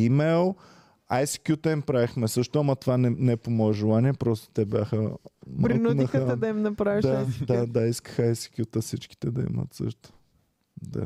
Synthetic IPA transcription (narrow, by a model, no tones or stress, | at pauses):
imɛlˠ | ajsi̥kʲjut̪əimpɾavixmɛsɤʃt̪oamɐt̪ovanɛnɛpomɔɛʒɛlˠaniɛpɾɔst̪o̥t̪ɛbʲjaxəmɾɾndnɐxɛd̪ɐimnɐpɾaviʃd̪aad̪ad̪aiskə̥xajsi̥kʲjut̪əsit͡ʃki̥t̪ɛd̪ɐḭmə̰t̪sɤ̰ʃt̪o̥ | d̪a̰